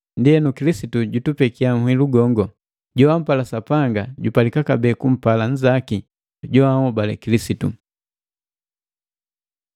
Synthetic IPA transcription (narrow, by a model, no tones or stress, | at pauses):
ndiɛnukilisituɟutupɛkiam̩hwiluɡɔŋɡɔ | ɟɔwam̩palasapaŋɡaɟupalikakabɛːkum̩palaɲ̩d͡ʒaki | ɟɔahɔbalɛ̰kilisitṵ